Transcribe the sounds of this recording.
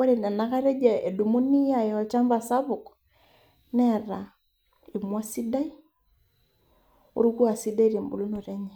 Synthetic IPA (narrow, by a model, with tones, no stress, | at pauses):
ɔ˦ɾe˨nɛ˨na˦ka˦ɾɛ˦d͡ʒɛ˨ɛ˨du˨mu˦ni˦ja˦˨ɛɔ˨t͡ʃa˦mba˨sa˦βu˨k | nɛɾa˨ | i˨mwa˦si˦da˦i˦ | o̰˦ɾu˦ku˦a˨si˦da˦i˦ɾe˨mbu˨lu˦no˨ɾɛ˦ɲɛ˨